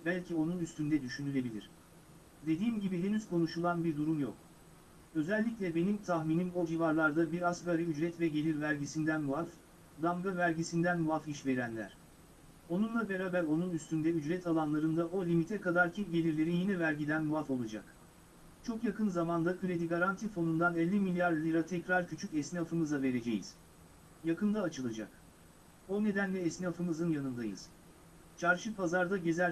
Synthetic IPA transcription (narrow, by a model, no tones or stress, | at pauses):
bælʲcʰio̞nunyst̪ynd̪ɛd̪yʃynylʲe̞bilʲḭɾ̝̥ | d̪e̞d̪iːmɟibid̪e̞nyz̥kʰo̞nuʃulˠanbiɾd̪uɾumjo̰k | ø̞zælʲːicʲlʲɛbe̞nimt̪ʰaxminimod͡ʒivaɾlˠaɾd̪abiɾasɡaɾɯyd͡ʒɾɛt̪vɛɟe̞lʲiɾvæɾɟisind̪ænmuaf | d̪amɡavæɾɟisind̪ænmuafiʃve̞ɾænlʲæ̰ɾ̥ | o̞nunlˠabe̞ɾaːbæɾo̞nunyst̪ynd̪ɛyd͡ʒɾɛt̪ʰalˠanlˠaɾɯnd̪aʔo̞lʲimit̪ʰɛkad̪aɾcʰipɟe̞lʲiɾlʲe̞ɾijinɛvæɾɟid̪ænmuafo̞lˠad͡ʒa̰k | t͡ʃʰo̞kjakʰɯnzamand̪akʰɯɾe̞d̪iɡaɾant̪ʰifo̞nund̪anɛlʲːimilʲjaɾlʲiɾat̪ʰɛcɾaɾcʰyt͡ʃʰycɛsniafɯmɯzave̞ɾe̞d͡ʒejḭz̥ | jakɯnd̪aːt͡ʃʰɯlˠad͡ʒa̰k | o̞ne̞d̪ænlʲɛːsniafɯmɯzɯnjanɯnd̪ajɯ̰z̥ | t͡ʃʰaɾʃɯpʰazaɾd̪aɟezæ